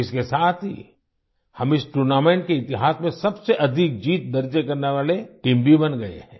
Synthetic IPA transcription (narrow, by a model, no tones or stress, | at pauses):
ɪskesaːt̪ʰɦḭ | hɐmɪsʈuɾnaːmẽːɳʈ̚keɪt̪ɪɦaːsmẽsɐbseʔɐd̪ʱɪk̚d͡ʒiːt̪̚d̪ɐɾd͡ʒekɐɾneʋaːleʈĩːmbʱibɐnɡɐḛɦɛ̃ː